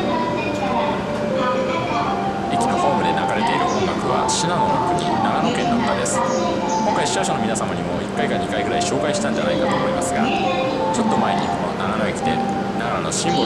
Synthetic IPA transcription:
ekʲino̞ho̞ːmɯ̟d̪e̞naɡaɾe̞t̪e̞iɾɯ̟komkakɯ̟βa̰ɕinanookɯ̟ɲ̟ḭnaɡano̞kẽ̞nːakk̪ad̪e̞sɨ̥ | kõ̞ŋkaiɕi̥aɕono̞minasamaɲ̟imo̞ikːaikaɲːikaiɡɯ̟ɾaiɕo̞ːkaiɕi̥t̪ãɲ̟d͡ʑana̰ikat̪o̞ːmo̞imasɨɡa̰ | t͡ɕo̞t̪ːo̞mae̞ɲ̟ikononananaɡekʲi̥t̪e̞̰ | naɡananoɕĩmbo

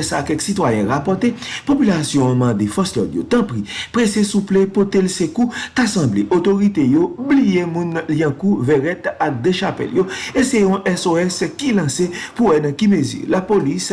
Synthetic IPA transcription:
sakɛksit̪wajɛ̃ʁapɔt̪epopylasjɔ̃mɐ̃d̪efɔslɔ̰d̪jo̰t̪ɐ̃pʁipʁesesuplepot̪elsekut̪asɐ̃bleʔot̪oʁit̪ejoblijemũnliãkuvɛʁɛt̪ak̚d̪eʃapɛ̰ljoeseɔ̃ʔɛsoɛskilɐ̃sepuwɛnɐ̃kimezy̰lapolis

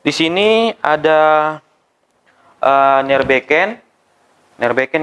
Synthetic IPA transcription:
disiniada | ʔənɛrbekɛnː | ɛrbekɛn

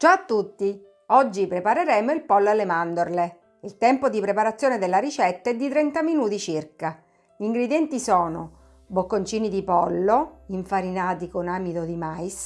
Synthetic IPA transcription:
t͡ʃaat̪ːut̪ːi | ɔd͡ʒːipɾepaɾeɾɛːmoilpɔlːoalːemand̪orle | ilt̪ɛmpod̪ipɾepaɾat̪sːjoːned̪elːaɾit͡ʃɛt̪ːaɛd̪ːit̪ɾɛnt̪aminuːt̪it͡ʃirka | ʎiŋɡɾed̪jɛnt̪isɔːno | bokːont͡ʃiːnid̪ipɔlːoiɱfaɾinaːt̪ikonaːmid̪od̪imajs

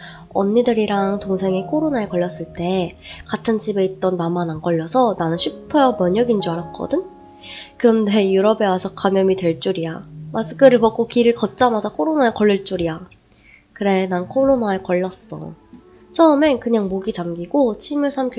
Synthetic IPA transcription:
ʌnːidɯɾiɾaŋtoŋsʰe̞ŋikʰoɾonaekʌɭːʌs͈ɯɭt͈e̞katʰɯnt͡ɕibe̞it̚t͈ʌnːamanankʌʎːʌsʰʌnanɯnɕʰɥipʰːʌjʌmjʌɲʌɡind͡ʑiaɾak̚k͈ʌ̰dɯn | kɯɾʌnde̞juɾʌbe̞wasʰʌkamjʌmitwe̞ɭt͡ɕ͈uɾiamas͈ʰɯ̥k͈ʰɯɾɯɭpʌk͈okiɾɯɭkʌt̚t͡ɕ͈amadakʰoɾonaekʌɭːiɭt͡ɕ͈uɾija | kɯɾe̞nankʰoɾonaekʌʎːʌs͈ʌ̰ | t͡ɕʰʌɯme̞nkɯɲaŋmoɡit͡ɕamɡiɡ̥ot͡ɕʰimjuɭsʰamk

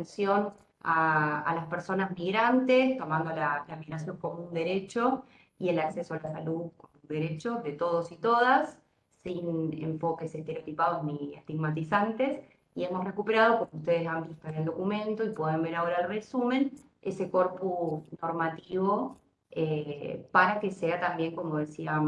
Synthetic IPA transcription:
ensjo̞n | aa̰laspeɾso̞nazmiɣɾant̪est̪o̞mãnd̪olalamiɣɾasjo̞ŋko̞mũnd̪eɾet͡ʃo̞ | ie̞lakse̞soalasaluðkomũnd̪eɾet͡ʃoðe̞t̪o̞ð̞osit̪o̞ðasː | inḛɱfo̞keseht̪e̞ɾeot̪ipað̞o̞zniḛht̪iɣmat̪̬isant̪e̞s | ie̞mosre̞kupe̞ɾað̞o̞komoust̪e̞ð̞esampist̪oield̪o̞kumẽ̞nt̪o̞ipwe̞ðembe̞ɾao̞ɾaelre̞sumẽ̞n | e̞seko̞ɾpusnoɾmat̪iβo̞ | epaɾake̞seat̪ambje̞ŋko̞moð̞esia

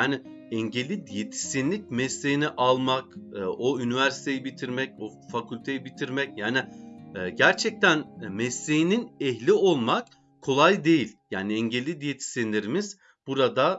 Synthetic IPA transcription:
jaːnɪ | ɛɲɟelʲːid̪ijet̪ʰi̥sinlʲic̚mɛsːejiniʔalˠmakɯʔoynivæɾsi̥t̪ʰe̞jibit̪ʰiɾmɛco | fakʰylʲt̪ʰe̞jibit̪ʰiɾmɛcjaːniɛːɟæɾt͡ʃʰɛc̚t̪ʰænmɛsːejininɛçlʲio̞lˠmak | kʰo̞lˠajd̪e̞jilʲjaːniɛɲɟelʲːid̪ijet̪ʰi̥sinlʲeɾimiz | b̥uɾad̪a

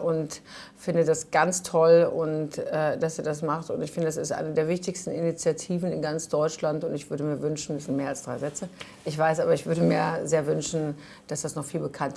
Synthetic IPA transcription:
ʔʊntfɪndədasɡ̥ant͡stʰɔlʊntɛːd̥asiːɐdas̬maχtʊntɪçfɪndəɛsɪstʔa̰ɪnədeːɐvɪçtɪçstn̩init͡sjatʰiːvn̩ɪnɡant͡sd̥ɔʏt͡ʃlantʊntɪçv̥ʏɐɾəmiːɐvʏnʃn̩ɛszɪntmeːɐalsd̥ʁaɪzɛt͡sə | ʔɪçv̥aɪsʔaːbɐɪçv̥ʏɐɾəmeːɐzeːɐvʏnʃn̩ | d̥asd̥asnɔχfiːlbəkʰant

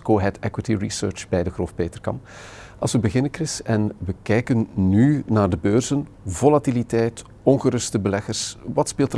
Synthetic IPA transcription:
koːɦɛtɛkwitiɹisø̰ːɹt͡ʃbɛjdəxroːfpeːtərkɑ̰mp | ɑ̰lˠsʋəbəɣɪnəkrɪsɛnʋəkɛjkənːynaːrdəbøːrz̥ən | volatilitɛjt | ɔnɣəɾɵstəbəlɛɣərsʋɑtspeːlˠtə

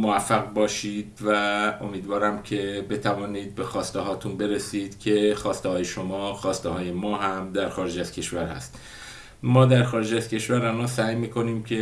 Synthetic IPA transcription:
movæfːæɣbɒːʃiːd̪̥væo̞miːd̪vɒːɾæmcʰe̞be̞t̪ʰævɒːniːd̪̚be̞xɒːst̪eɦɒːt̪ʰunbe̞ɾesiːd̪̥cʲʰe̞xɒːst̪ehɒːjeʃo̞mɒːxɒːst̪ehɒːje̞mɒːɦæmd̪æɾxɒːɾed͡ʒæzcʰe̞ʃvæɾhæ̰st̪ | mɒːd̪æɾxɒːɾed͡ʒæzcʰe̞ʃvæɾænɒːsæːjmiːko̞niːmcʰe̞

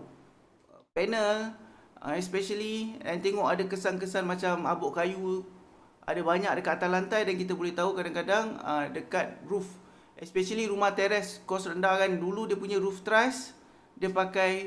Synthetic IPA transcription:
pɛnələ̰ɛspɛʃəliɛnt̪eŋɔʔadakəsankəsanmat͡ʃamabɔʔkaju | a̰dabaɲak̚dəkat̪̚t̪alant̪ajdankit̪abolɛht̪aukadaŋkadaŋə̰dəkat̪̚ruf | ʔɛspɛʃaliɾumaht̪eɾɛskɔsrəndaɣanduludiəpuɲãɾuft̪ɾas | diəpakaj

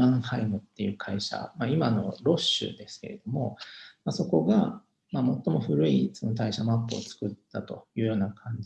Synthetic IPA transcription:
ãhaimɯ̟t̪ːe̞jɯ̟ːkʰaiɕa̰maimano̞ɾo̞ɕɨ̰ːd̪e̞sɨ̥ke̞̰ɾed̪o̞mo̞̰maso̞ko̞ɡa | maːmo̞t̪ːo̞mo̞ɸɯ̟ɾɯ̟isonot̪aiɕamapːɯːt͡sɨ̥kɯ̟t̪ːat̪o̞jɯ̟ːjo̞ːnakʰãɲ̟d͡ʑ

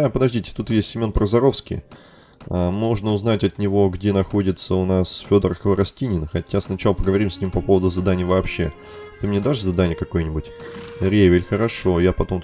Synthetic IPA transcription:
apəd̪ɐʐdʲitʲɪ̥t̪ut̪jesʲtʲːɪmʲo̞npɾəzɐɾo̞fskʲɪ̰j | amo̞ʐnəʊznatʲɐt̪nʲɪvo̞ɡdʲe̞nɐxo̞dʲɪt̪səʊnasfʲo̞d̪ərkəvəɾɐsʲtʲinʲɪnxɐtʲasnɐt͡ɕalˠəpəɡəvɐɾʲimsʲnʲimpɐpo̞vəd̪ʊzɐd̪anʲɪjvɐːpɕːe̞ | t̪ɨmnʲed̪aʐɨzɐd̪anʲɪjəkɐko̞jnʲɪbʊtʲɾʲevʲɪlʲxəɾɐʂo̞japɐt̪o̞m

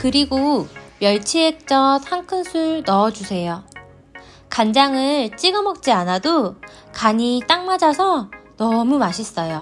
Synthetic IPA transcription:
kɯɾiɡomjʌɭt͡ɕʰiek̚t͡ɕ͈ʌthaŋkʰɯnsʰuɭnʌd͡ʑusʰe̞jo | kand͡ʑaŋɯɭt͡ɕ͈iɡʌmʌk̚t͡ɕ͈ianado | kaɲit͈aŋmad͡ʑasʰʌnʌmumaɕʰis͈ʌjo

